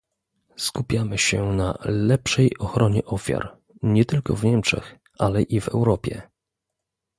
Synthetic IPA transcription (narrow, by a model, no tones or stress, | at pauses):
skupʲjamɘɕɛna̰lɛpʂɛjɔxɾɔɲɛʔɔfʲja̰ɾ | ɲɛt̪ɘlkɔvɲɛmt͡ʂɛ̰x | alɛʔivɛ̰wɾɔpʲjɛ̰